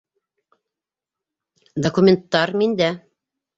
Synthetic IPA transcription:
d̪ɐkumʲent̪ːɑɾmind̪æ

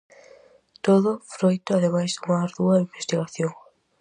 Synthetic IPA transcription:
t̪oðʊfɾojt̪ʊaðemajzðumaaɾðuɐimbest̪iɣaθjoŋ

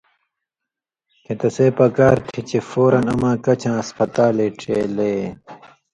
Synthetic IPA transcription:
kẽt̪ɐseːpɐkaːɾt̪ʰit͡ɕefoːɾɐnɐmãːkɐt͡ɕʰãːɐspɐt̪aːleːʈ͡ʂʰeːleː

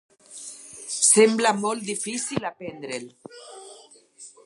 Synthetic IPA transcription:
semblamolt̪̚d̪ifisilapend̪ɾel

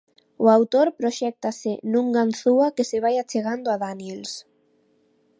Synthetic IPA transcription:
ʊawt̪oɾpɾoʃɛk̚t̪asɪnũŋɡanθuakesɪβ̞ajat͡ʃeɣ̞and̪oaðanjels

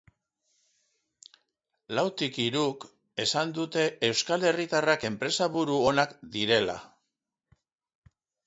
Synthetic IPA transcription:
lawt̪ikiɾuk | e̞sand̪ut̪e̞ːwskale̞rit̪arake̞mpɾe̞saβuɾuo̞nakd̪iɾe̞la̰

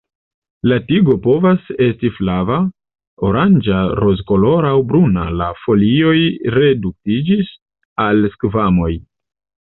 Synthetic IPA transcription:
latiɡo̞po̞vase̞stiflava | o̞ɾand͡ʒaɾo̞zko̞lo̞ɾawbɾuna̰lafo̞lio̞jɾe̞duk̚tid͡ʒis | alskvamo̞j

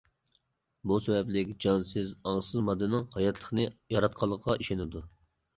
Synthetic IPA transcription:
busɛbɛplɪkʲd͡ʒɑnsɪzɑŋsɨzmɑd̪ɨnɨŋhɑjɑt̪ʰlˠə̥χnɨjɑɾɑt̪̚qʰɑlˠːəqqɑʔiʃenɪd̪u

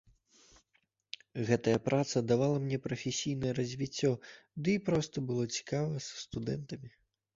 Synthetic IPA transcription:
ɣɛt̪ɐjɐpɾat̪sɐd̪avalˠɐmnʲɛpɾɐfʲesʲijnɐjɛɾɐzʲvʲit͡sʲːɔd̪ɨipɾɔst̪ɐbɨlˠɔt͡sʲi̥kavɐsɐ̥st̪ud̪ɛnt̪ɐmʲi

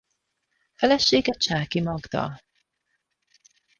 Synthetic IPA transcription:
fɛlɛʃeːɡɛt͡ʃaːkimɒɡd̪ɒ̰l

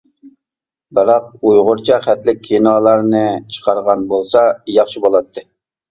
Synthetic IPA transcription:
bɪɾɑq̚ujʁʊɾt͡ʃʰɑχɛt̪lɪk̚ʲʰːinɑːlˠɑɾnɨt͡ʃʰə̥qʰɑɾʁɑnbolˠsɑjɑχʃibolˠɑt̪ʰːɨ

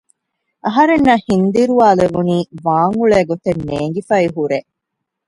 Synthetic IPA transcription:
ʔɐɦɐɾenːahind̪iɾuaːleʋuniːʋaːŋuɭeːɡot̪enːeːŋɡifɐiɦuɾe

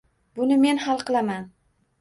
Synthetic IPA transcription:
bʊnɪme̞nhalˠqʰɨlˠaman

